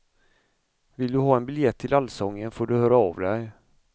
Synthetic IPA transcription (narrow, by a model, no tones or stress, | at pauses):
vɪld̪ɵɦɑːɛnbɪljɛt̪ʰːɪlalsɔŋːənfoːɖɵhœːɾaɑːvd̪ɛj